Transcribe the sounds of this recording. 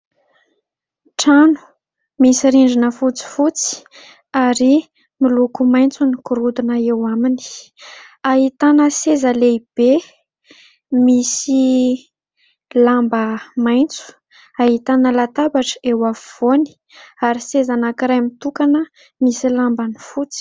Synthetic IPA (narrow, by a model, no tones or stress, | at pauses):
ʈ͡ʂanu̥ | misiɾiɳɖ͡ʐinəfut͡si̥fut͡si̥ | aɾi | milukumajnt͡sunikuɾud̪unəewamini̥ | aɦit̪anəsezəleib̥e | misi | lambəmajnt͡su̥ | aɦit̪anəlat̪abaʈ͡ʂewavv̥oni̥ | aɾisezanakiɾajmit̪ukanə | misilambanifut͡si̥